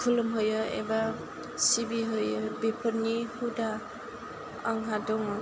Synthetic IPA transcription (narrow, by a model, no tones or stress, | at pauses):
kʰulɯmɦɯjɯḛba | sibiɦɯjɯbepʰəɾnihuda | aŋɦadɔŋɔ